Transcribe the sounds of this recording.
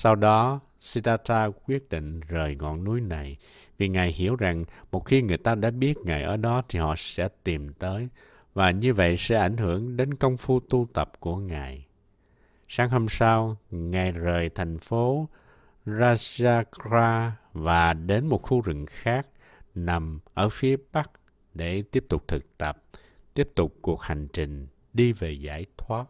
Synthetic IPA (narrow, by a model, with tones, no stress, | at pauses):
sa˧wɗɔ˨˦ | si˧t̪aː˧t̪aː˧kwi˦˥ət̚ɗḭ˧˨ŋ̟zəː˨˩jŋɔ̰˧˨nːu˨˦jna˨˩j | vi˨˩ŋaː˨˩jhi˧˩əwza˨˩ŋmo˨˩t̚xi˧ŋɨ˨˩əjt̪aː˧ɗa̰ː˧˥ɓi˦˥ət̚ŋaː˨˩jʔəː˧˩ɗɔ˨˦t̪ʰi˨˩hɔ̰˧˨sɛ̰˧˥t̪i˨˩mt̪əː˨˦j | vaː˨˩ɲɨ˧və̰˧˨jsɛ̰˧˥ʔa̰˧˩jŋ̟hɨ˧˩əŋɗe˨˦nkə˧wŋ͡mfu˧t̪u˧t̪ə˨˩p̚ku˧˩əŋaː˨˩j | saː˨˦ŋho˧msaː˧wŋa˨˩jzəː˨˩jt̪ʰa˨˩jŋ̟fo˨˦ | zaː˧zaː˧kaː˧vaː˨˩ɗe˨˦nmo˨˩t̚xu˧zɨ̰˧˨ŋxaː˦˥k̚ | na˨˩mʔəː˧˩fi˨˦əɓa˦˥k̚ | ɗe˧˩t̪i˦˥əp̚t̪ʊ˨˩k͡p̚t̪ʰɨ˨˩k̚t̪ə˨˩p̚ | t̪i˦˥əp̚t̪ʊ˨˩k͡p̚ku˨˩ək̚ha˨˩jŋ̟t͡ɕï˨˩ŋ̟ | ɗi˧ve˨˩za̰ː˧˥˩jt̪ʰwaː˦˥t̚